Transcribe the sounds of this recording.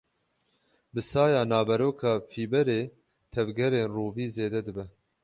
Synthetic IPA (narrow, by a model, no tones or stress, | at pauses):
bɨsɑːjɑːnaːbɛɾoːkʰɑːfiːbɛɾeː | t̪ʰɛvɡɛɾeːnruːviːzeːd̪ɛd̪ɨbɛ